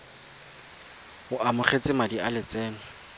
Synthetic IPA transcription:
hʊʔamʊχet͡sɪmadialɪt͡sɛːnʊ

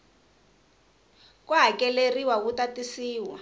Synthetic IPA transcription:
kuɦakɛleriwakutatisiːwa̰

